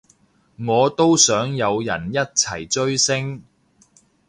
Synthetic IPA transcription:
ŋɔː˨˧t̪o˥wsœː˨˥ŋjɐ˨˧wjɐ̰˨˩njɐ˥t̚t͡sʰɐ̰˨˩jt͡ʃɵ˥ɥsɪ˥ŋ

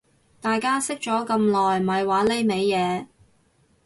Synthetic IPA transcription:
t̪aː˨jkaː˥sɪ˥k̚t͡ʃɔː˨˥kɐ˧mlɔː˨jm̩˨ɐ˨jwaː˨˥le˨˧jme˨˧jjɛː˨˧

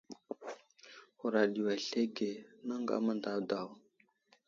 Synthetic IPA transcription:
xu˨ɾa˨ɗi˨wa˨ɬe˦ɡe˨na˦ŋɡa̰˦ma˦nda˦˨wda˨w

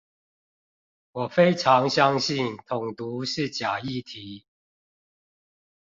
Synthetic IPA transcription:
wɔ˨˩fe˦˥ɪʈ͡ʂʰɑ˨˦ŋɕjɑ˦ŋɕi˥˨nt̪ʰʊ˨˩ŋt̪u˨˦ʂɻ̩˥˨t͡ɕja˨˩i˥˨t̪ʰi˨˦

